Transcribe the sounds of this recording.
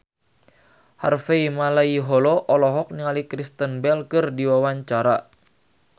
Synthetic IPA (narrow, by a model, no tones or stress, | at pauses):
harfeimalaiɦɔlɔʔɔlɔɦɔk̚niŋalikɾist̪ənbɛlkɨrdiwawaɲt͡ʃaɾa